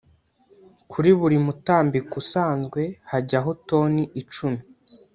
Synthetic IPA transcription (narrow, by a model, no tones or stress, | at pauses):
kʰuɾiβuɾimutaːmbikusaːnzɡwe̞haɟaɦo̞to̞ːniʔit͡ʃumu